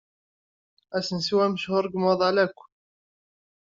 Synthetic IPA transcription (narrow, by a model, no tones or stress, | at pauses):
ʔæsənsiwæməʃhʊɾˤɡəmɑðˤʕalækʷː